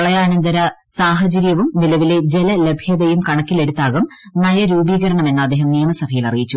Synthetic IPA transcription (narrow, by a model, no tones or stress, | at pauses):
ɐɭɐjaːnɐnd̪ɐɾɐ | saːɦɐd͡ʑɐɾjɐʋumnilɐʋile̞d͡ʑe̞lɐle̞bʱjɐðɐjumkɐɳɐkːile̞ɽut̪ːaːɣɐm | nɐjɐɾuːbiːɣɐɾɐɳɐme̞nːɐɐd̪ːeːɦɐmnijɐmɐsɐbʱɐjilɐrijit͡ɕːu